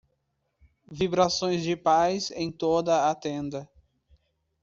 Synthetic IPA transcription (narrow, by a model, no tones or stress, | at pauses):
vibɾasõj̃zd͡ʒɪpajzẽj̃t̪od̪ɐat̪ẽnd̪ɐ